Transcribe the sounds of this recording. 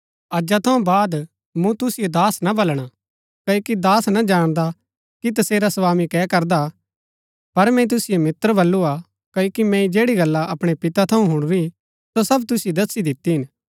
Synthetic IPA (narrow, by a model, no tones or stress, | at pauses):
ɐd͡ʒat̪ʰɐũbaːd̪ | mũt̪ʊsɪjod̪aːsnabɐlɽ̃a | kɐoːkid̪aːsnad͡ʒaːɽ̃d̪a | kit̪̬ɐseːɾasɐʋaːmikɛːkɐɾd̪a | pɐɾmɛ̃it̪̬ʊsɪjomɪt̪ɾəbɐlːua | kɐoːkimɛ̃id͡ʒeːɽiɡɐlːaʔɐpɽ̃epɪt̪at̪ʰɐũɦʊɽ̃ɾi | sosɐbt̪ʊsɪjod̪ɐsːid̪ɪt̪ːiɦɪn